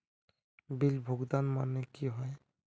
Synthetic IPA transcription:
bilbʱoɡd̪anmanekiɦɔj

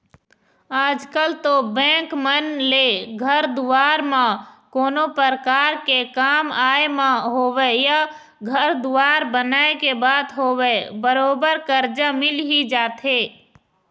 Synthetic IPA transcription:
aːd͡ʒkəlt̪obɛ̃ːkmənleɡʱəɾd̪ʊʋaːɾmãkoːnopəɾəkaːɾkekaːmaːemãɦoːweja | ɡʱəɾd̪ʊʋaːɾbənaːekebaːd̪ɦoːwebəɾoːbəɾkəɾd͡ʒamɪlɦid͡ʒaːt̪ɦeː

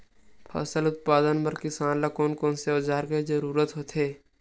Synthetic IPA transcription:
pʰə̰səlʊt̪̚paːd̪ənpɐɾkɪsaːnlakoːnkɔːnseoːd͡ʒaːɾkezəɾuːɾət̪ɦot̪eː

